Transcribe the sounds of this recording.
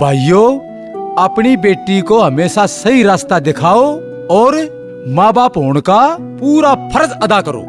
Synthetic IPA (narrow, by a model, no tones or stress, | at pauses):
bʱaːijoː | aːpɽ̃ibeːʈːikoɦɐmeːsasɐɦiɾaːst̪ad̪ɪkʰaːo | ɔːɾ | mãːbaːpɦoːɽ̃ka | puːɾapʰɐɾəd͡ʒɐd̪akɐɾo̰ː